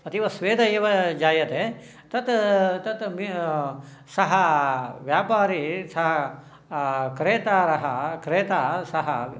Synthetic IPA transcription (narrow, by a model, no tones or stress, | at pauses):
ɐt̪iʋɐsʋeːd̪ʱɐeːʋɐd͡ʒaːjɐt̪e | t̪ɐt̪t̪ɐt̪mi | sɐɦɐʋjaːpaːɾisɐɦɐ | kɾeːt̪aːɾɐɦɐkɾeːt̪aːsɐɦɐ̰